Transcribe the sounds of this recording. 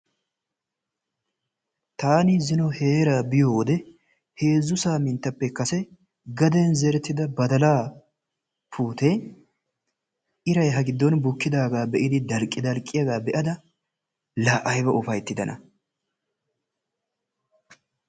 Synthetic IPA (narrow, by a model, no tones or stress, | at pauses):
t̪aːnɪzɪnɔhe̞ːɾaːbɪjoːd̪ɛ | he̞ːzːʊsaːmɪnt̪ːɐpːɛkːɐsɛ | ɡɐd̪ɛnzɛɾɛt̪ːɪd̪ɐbɐd̪ɐlaː | pʰuːt̪ɛ | ʔɪɾɐjɦɐɡɪd̪ːɔnbʊkːɪd̪aːɡaːbɛʔɪd̪ɪd̪ɐlkʼːɪd̪ɐlkʼːɪjɐɡaːbɛʔɐd̪ɐ | laːʔɐjbɐʔʊfɐjt̪ːɪd̪ɐnʔɐ̰